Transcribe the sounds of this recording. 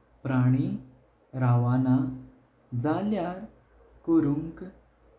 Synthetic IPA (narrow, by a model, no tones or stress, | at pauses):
pɾaɽ̃i | ɾaʋana | d͡zaljaɾ | kuɾuŋk